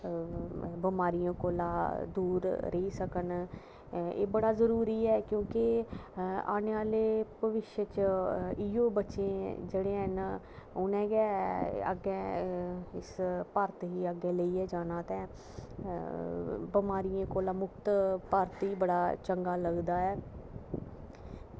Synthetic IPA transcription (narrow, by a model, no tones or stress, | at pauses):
bəmaːɾijãːkoːlãːd̪uːɾɾəiːsəkən | ḛːbəɽaːzəɾuːɾiːɛːkjõːkɪ | a̰ːneːʋaːleːbəʋɪʃjət͡ʃiːjoːbətːʃẽːd͡ʒeːɽeːɦən | ʊnɛ̃ːɡɛːə̰ɡːɛː | ɪspəɾt̪ɦiːəɡɛːləiːɛːd͡ʒaːnãːt̪ɛ̃ː | bɪmaːɾijãːkoːlãːmʊkt̪pəɾt̪ɦiːbəɽaːt͡ʃəŋɡaːləɡd̪aːɛː